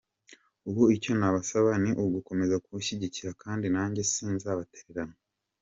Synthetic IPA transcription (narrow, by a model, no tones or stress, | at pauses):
uβuico̞naβasaβaniʔuɡuko̞me̞zakuuʃiɟiciɾakaːndinaːɲɟesiːnzaβateɾeɾano